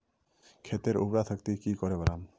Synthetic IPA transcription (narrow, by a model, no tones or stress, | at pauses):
kʰet̪eɾṵbɾat̪ʰakt̪ikikɔɾebaɾam